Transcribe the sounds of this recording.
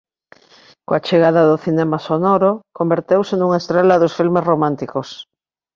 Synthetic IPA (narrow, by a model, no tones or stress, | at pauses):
koat͡ʃeɣ̞aðaðʊθinɛmasonɔɾokombeɾt̪ewsenuŋaest̪ɾelaðosfilmesromãnt̪ikos